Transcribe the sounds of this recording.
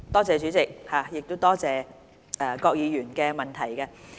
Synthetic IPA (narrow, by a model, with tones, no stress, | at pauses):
t̪ɔː˥t͡sɛː˨˧t͡ʃyː˨˥t͡sɪ˨k̚haː˨˩jɪ˨k̚t̪o˥t̪ɔː˥t͡sɛː˨˧ | ʔɛː˨˩kɔː˧k̚jiː˨˧jyː˨˩nkɛː˧mɐ˨˩nt̪ʰɐ˨˩jkɛ˧